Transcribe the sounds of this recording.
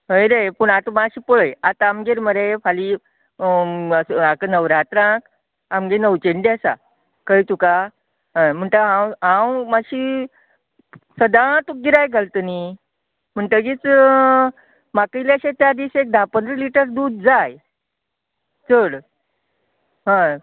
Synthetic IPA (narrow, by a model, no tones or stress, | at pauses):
ɦəjɾepəɳ̃at̪əmaɕiːpəɭəjat̪aamɡeɾməɾefʰali | akənəʋɾat̪ɾãk | amɡenəwt͡ɕeɳɖiasa̰ | kəjt̪uka | ɦəm̤əɳʈ̪əɦãwɦãwmaɕi | səd̪at̪uk̚ɡiɾajɡʱalt̪əni | m̤əɳʈ̪əɡit͡s | makəjleaɕet̪jad̪isek̚d̪apənd̪ɾəliʈəɾd̪uːd̪̚d͡zaj | t͡səɽ | ɦã